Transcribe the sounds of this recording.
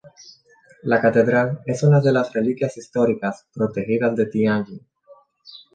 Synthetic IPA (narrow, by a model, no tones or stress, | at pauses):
lakat̪e̞ðɾale̞sunaðe̞lasrelikjasist̪o̞ɾikaspɾo̞t̪exiðazðet̪ianɡi